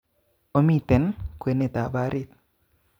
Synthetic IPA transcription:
o˦mi˦˨t̪ɛ˨nkwe˨ne˨t̪a˨ba˦ɾi˦t̪̚

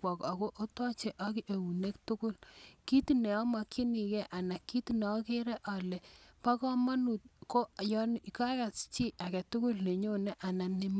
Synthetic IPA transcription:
wɔ˨ka˨ko˦ʔo˦tɔ˦t͡ʃe˨ʔɔ˦ki˦ʔe˨wu˨ne˦k̚tu˦kʊ˦lki˦tu˨nɛ˨ɔ˦ma˨kʰi˦ni˨kɛ˦ʔa˨na˨kːi˦tu˦˨ne˨ɔ˦ke˦ɾɛ˦ʔa˨lɛ˨pa˦kɔ˦ma˦nu˨t̚ko˦jɔ˦ka˦ka˨st͡ʃi˦ʔa˨kɛ˨tu˦ku˦lne˨ɲo˦ne˦ʔa˨na˨ne˦m

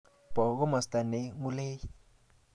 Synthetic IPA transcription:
b̥ɔ˨ɣɔ˦mɔ˨st̪a˨ne˨˦ŋu˦leː˦ji˦

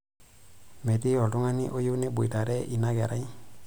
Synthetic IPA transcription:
me˨ti˦ɔ˨du˦ŋa˦ni˦ʔo˦ju˦ne˦bu˨i˨ta˨ɾɛ˦ʔi˨na˦ɡe˨ɾa˦i˦

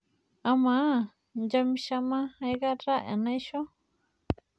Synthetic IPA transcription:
a˧mã˨˦˨ | nd͡ʒa˧mĩ˧ʃa˧mã˦e˦ɣa˦ɾa˦ʔã̰˨nã˦i˦ʃo˦

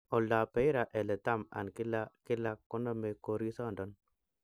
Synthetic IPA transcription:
ɔ˨la˨pɛ˨˦i˦ɾa˨ʔɛ˨lɛ˨ta˦˨ma̰˨nkɪ˦la˦kɪ˦la˦kːɔ˦nɔ˦mɛ˨ko˨ɾi˦sɔ˦˨ndɔ˨˦n

